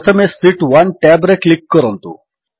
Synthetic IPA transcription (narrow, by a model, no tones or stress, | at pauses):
t̪ʰəmesiʈʋɐnʈɛbɾeklikːəɾont̪ṵ